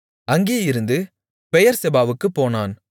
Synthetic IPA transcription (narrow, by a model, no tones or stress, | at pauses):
ɐŋɡeːɪɾɯnd̪ɯ | pɛjɐɾsɛbaːʋɯkːɯpːoːnaːn